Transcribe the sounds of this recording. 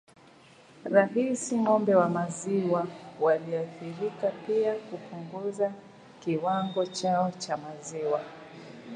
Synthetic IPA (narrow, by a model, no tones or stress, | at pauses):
ɾaɦisiŋɔmbɛwamaziwawaliaθiɾikapiakupuŋɡuza | kiwaŋɡɔt͡ʃaɔt͡ʃamaziwa